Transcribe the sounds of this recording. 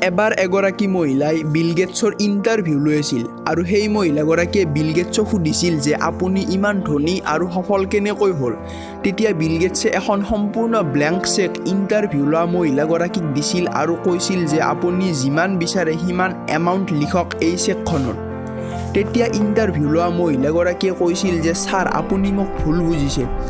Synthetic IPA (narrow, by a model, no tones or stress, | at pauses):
ɛbaɹɛɡɔɹakimoɦilajbilɡɛtsɔɹintaɹbʱjulojasil | aɹuxejmoɦilaɡɔɹakiɛbilɡɛtsɔxʰudʱisilzɛʔapuniʔimandʱoniʔaɹuxɔpʰɔlkɛnɛkojɦol | tetijabilɡetsɛʔɛxʰɔnxɔmpuɹnɔblɛŋksekintaɹbʱjulʊwamoɦilaɡɔɹakik̚disila̰ɹukojsilzɛʔa̰punizimanbisaɹɛximanɛ̰mawntlikʰɔkejsɛkʰːɔnɔ̰t | tetijaʔintaɹbʱjulɔwamoɦilaɡɔɹakiɛkojsilzɛsaɹa̰punimuk̚bʱulbuzisil